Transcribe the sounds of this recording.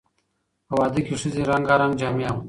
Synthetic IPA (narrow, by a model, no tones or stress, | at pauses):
ɐwaːd̪ikiʂiziɾaŋɡaɾaŋɡd͡ʒaːmjaːm